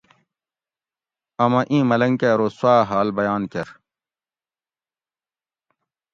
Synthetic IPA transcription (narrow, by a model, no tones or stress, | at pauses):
ɐmɐ̃ʔĩːmɐlɐŋkeːɾoːswaːɦaːlbɐjaːnkɐɾ